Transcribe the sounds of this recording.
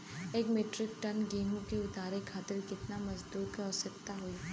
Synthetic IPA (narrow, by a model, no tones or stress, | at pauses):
eːkmeːʈɾɪkʈɐnɡeːmõkeʊt̪aːɾekʰaːt̪ɪɾkɪt̪namɐzd̪uːt̪kɐɔsɐk̚t̪aɦoi